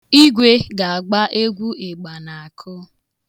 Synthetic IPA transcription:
i˦ɡʷe˦ɡa˨a˨ɡ͡ba˦ʔe˦ɡʷu˦e˨ɡ͡ba˨na˨a˨kʰʊ˦

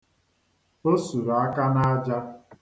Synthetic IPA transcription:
o˦su˨ɾa˦ka˦na˦d͡ʒa˦

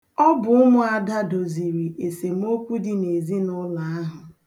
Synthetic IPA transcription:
ɔ˦bʊ˨ʊ˦mʊ˦a˨da˦do˨zi˨ɾi˨ʔe˨se˨m˦o˦kʷu˦di˨ne˨zi˦nʊ˦la˨a˦ɦʊ˨

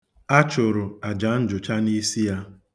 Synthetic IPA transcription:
a˦t͡ʃʊ˨ɾʊ˨a˨d͡ʒa˨˦n̩˦d͡ʒʊ˨t͡ʃa˦ni˦si˦ja˦

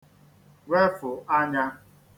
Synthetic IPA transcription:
we˦fʊ˨ʔa˦ɲa˦

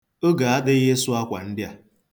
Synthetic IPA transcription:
o˦ɡa˨a˦dɪ˦ɣe˦su˦a˦kʷa̰˨n̩˦dɪ˦a˨

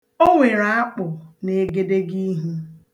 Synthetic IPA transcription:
o˦ŋʷe˨ɾa˨a˦k͡pʊ˨ne˨ɡe˦de˦ɡi˦ɦ̩˦

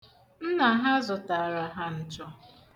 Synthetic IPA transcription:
n̩˦na˨˦ɦa˦zʊ˨ta˨ɾa˨ɦa˦n̩˨t͡ʃɔ˦

